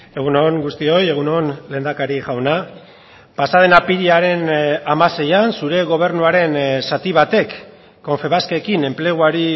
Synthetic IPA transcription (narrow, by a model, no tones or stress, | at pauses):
e̞ɣ̞unoŋɡust̪io̞je̞ɣ̞unonle̞ːnd̪akaɾiʝawna | pasaðe̞napiɾiaɾe̞namase̞jansuɾe̞ɣ̞o̞β̞e̞ɾnuaɾe̞nsat̪iβ̞at̪e̞kː | o̞ɱfe̞β̞askekine̞mple̞ɣ̞uaɾi